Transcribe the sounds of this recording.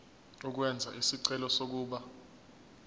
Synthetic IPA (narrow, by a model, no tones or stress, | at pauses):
uk̬wɛnd͡zʱa̰ʔisiǀɛlɔsok̬uːɓa